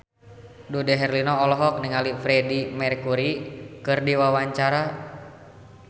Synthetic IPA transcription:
dudɛɦɛrlinɔɔlɔɦɔk̚niŋalifɾɛdimɛrkuɾikɨrdiwawaɲt͡ʃaɾa

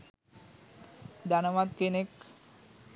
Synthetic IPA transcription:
d̪anomad̪kenek

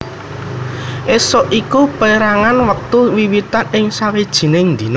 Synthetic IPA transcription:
ʔesɔʔikupəeɾaŋanwək̚t̪uwiwit̪anɪŋsawid̥ʒ̥i̤nɪŋnd̪i̤n

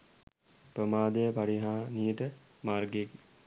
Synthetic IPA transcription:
pɾəmaːd̪ejəpaɽiɦaːniːəʈə | marɡeki

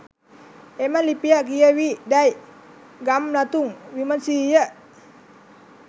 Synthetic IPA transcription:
emanlipiaʔkijəwiʔdajʔ | ɡamlat̪uŋwimansijəʔ

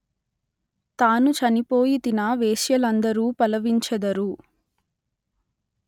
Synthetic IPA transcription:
t̪aːnut͡ʃɐnipo̞ːjit̪inɐʋeːʃjɐlɐnd̪ɐɾuːpɐlɐʋiɲt͡ʃɐd̪ɐɾu

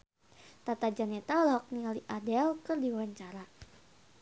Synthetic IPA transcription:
t̪at̪ad͡ʒanɛt̪aulaɦɔk̚nialiʔadɛlkɨrdiwaɲt͡ʃaɾa

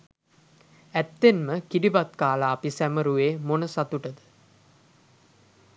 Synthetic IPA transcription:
æt̪ːenməkiɖibat̪kaːlaːpisæməɾuʋeːmonəsat̪uʈəd̪ə̥

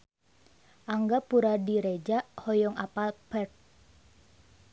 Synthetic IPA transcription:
ʔaŋɡapuɾadiɾed͡ʒaʔhɔjɔŋapalpɛrt̪̚

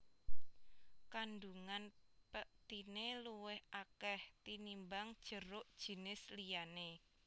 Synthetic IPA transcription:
kanduŋanpəʔt̪ineluwɪhakɛht̪inimbaŋd̥ʒ̥ə̤ɾʊʔd̥ʒ̥i̤nɪslijane

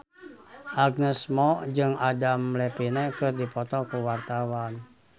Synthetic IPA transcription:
ʔaɡ̚nɛsmɔd͡ʒɨŋadamlɛpinɛkɨrdipɔt̪ɔkuwart̪awan

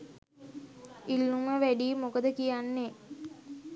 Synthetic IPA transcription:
ilːuməʋæɖiːmokəd̪əkijanːe

